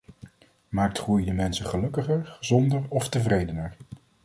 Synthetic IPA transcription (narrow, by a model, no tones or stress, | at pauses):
maːk̚tχrujdəmɛnsəχəlɵkəχəɹχəzɔndəɹɔftəvrejdənəɹ